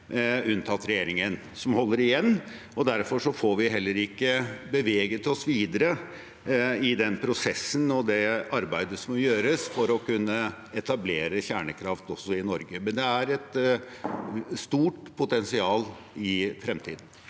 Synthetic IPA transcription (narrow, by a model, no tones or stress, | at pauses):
ʉnt̪ʰɑt̪ɾɛjeːɾɪŋən | sɔmhɔlːəɾɪjɛnː | ɔd̪æɾfɔʂɔfoːɾʋɪɦɛlːəɾɪkːəbəʋeːɡət̪ʰɪlɔsʋiːd̪əɾə | ɪd̪ɛnpʰɾʊsɛsːənɔd̪ɛɑɾbæɪd̪əsɔmɔjøːɾəsfɔɾɔkʰʉnːə | ɛt̪ɑbleːɾəçæːɳəkʰɾɑft̪ɔsɔɪnɔɾɡəmɛnd̪ɛæɾɛt̪ | st̪uːʈpʰʊt̪ɛnsɪɑːl | ɪfɾɛmt̪ʰiːd̪n̩